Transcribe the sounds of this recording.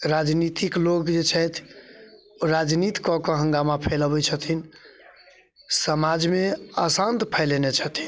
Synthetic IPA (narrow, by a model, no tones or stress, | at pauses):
ɾad͡ʒnit̪iklokd͡ʒet͡ʃʰɛt̪ʰ | oɾad͡ʒnit̪i̥kɔkɔɦə̃ŋɡamapʰeləbɛt͡ʃʰət̪ʰin | səmad͡ʒmeəsant̪pʰɛɪlenet͡ʃʰət̪ʰi